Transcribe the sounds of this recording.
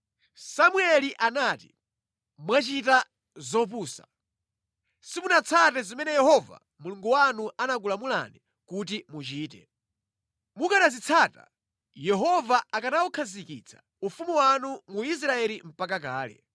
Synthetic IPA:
samwɛliʔanaːti | mwat͡ʃita | zɔp̬uːsḁ̰ | simunat͡sʰatɛzimɛnɛjɛɦɔva̰ | muluŋɡuwanuʔanak̬ulamula̰ni | kut̬imut͡ʃiːtɛ̰ | mukanazit͡sʰaːta̰ | jɛɦɔvaakanawukʰazikḭt͡sʰḁ̰ | ufumuwanumuis̬ɾaɛlim̩pakak̬aːlɛ̰

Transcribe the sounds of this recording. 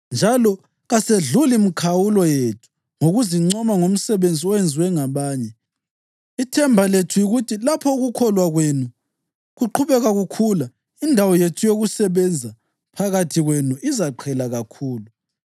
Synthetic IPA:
nd͡ʒʱalɔ | ɣaseɮulimikʰawulɔjetʰu̥ | ŋoɣuziŋ͡ǀɔmaŋom̩sɛβend͡zʱiɔjɛnd͡zʱiwɛŋaβaːɲɛ | itʰɛmbʱaletʰujiɣutʰilapʰɔuɣukʰɔlwaɣwenu | ɣuǃʰuβɛɣaɣukʰula | indʱawɔjetʰujoɣusɛβɛnd͡zʱa | pʰaɣatʰiɣwenuʔizaǃʰɛlaɣakʰuːlu

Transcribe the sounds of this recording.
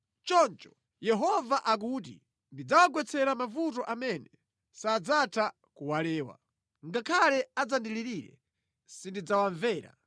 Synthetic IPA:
t͡ʃɔnt͡ʃɔ̥ | jɛɦɔvaʔak̬ut̬ḭ | ndid͡zawaɡwɛt͡sʰɛɾamavut̬ɔʔamɛnɛ | saːd͡zatʰa | kuwalɛːwa̰ | ŋɡakʰalɛad͡zandiliɾiɾɛ̰ | sindid͡zawaɱvɛːɾa̰

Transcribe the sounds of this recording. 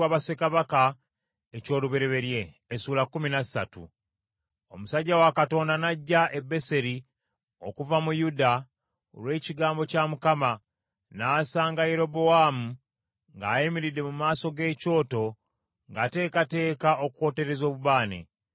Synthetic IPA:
aβase̞kaβaka | eco̞ːluβe̞ɾe̞βe̞ɾje̞ː | suːlakːuminasatṵ | o̞musaɟːawakato̞ːndanaɟːaʔe̞bːe̞se̞ɾi | o̞̰kuvamujuda | o̰lwe̞ːciɡaːmbo̞camukama | naːsaːŋɡajeɾo̞bo̞waːmu | ŋɡaːjimiɾide̞mumaːso̞ɡe̞ːco̞ːto̞ | ŋɡaːte̞ːkate̞ːkaʔo̞kuko̞ːte̞ɾe̞zo̞ːβuβaːnḛ

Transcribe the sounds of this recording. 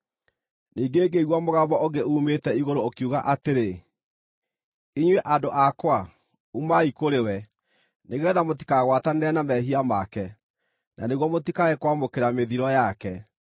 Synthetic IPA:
niːɡeːɡeiɣwɔmoɣabɔoɡeuːmetɛiɣoɾoːkiuɣaʔateɾe | iɲweʔadoʔakwa | umaikoɾewɛ | neɣɛðamot̬i̥kaɣwataneɾɛnamɛhiamakɛ | nʔa̰neɣwɔmotikaɛkwamokeɾameðiɾɔjakɛ

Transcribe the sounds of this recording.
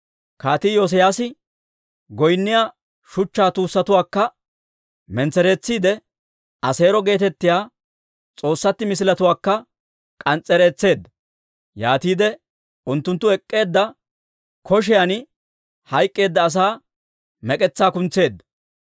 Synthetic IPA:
kaːt̪iːjos̬ɪjaːsɪ | ɡɔjnːɪjaː | ʃʊt͡ʃːaːt̪uːsːɐt̪ʊwaːkːɐ | mɛnt͡sɛɾe̞ːt͡sːiːd̪ɛ | ɐse̞ːɾɔɡe̞ːt̪ɛt̪ːɪjaː | t͡sʼo̞ːsːɐt̪ːɪmɪs̬ɪlɐt̪ʊwaːkːɐ | kʼɐnt͡sʼːɛɾeːt͡sːe̞ːd̪ːɐ | jaːt̪iːd̪ɛ | ʊnt̪ːʊnt̪ːʊɛkʼːe̞ːd̪ːɐ | kɔʃ̬ɪjan | hɐjkʼːe̞ːd̪ːɐːs̬aː | mɛkʼɛt͡sːaːkʊnt͡se̞ːd̪ːɐ

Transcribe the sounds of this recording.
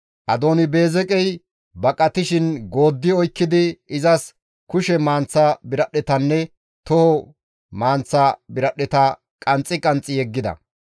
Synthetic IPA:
ʔɐd̪o̞ːnɪbe̞ːzɛkʼɛj | bɐkʼːɐt̪ɪʃɪnɡo̞ːd̪ːɪɔjkːɪd̪ɪɪzɐs | kʊʃɛmaːnt͡sːɐbɪɾɐɗɛt̪ɐnːɛ | t̪ɔhɔ | maːnt͡sːabɪɾɐɗɛt̪ɐ | kʼɐnt͡sʼːɪkʼɐnt͡sʼːɪjɛɡːɪd̪ɐ̰

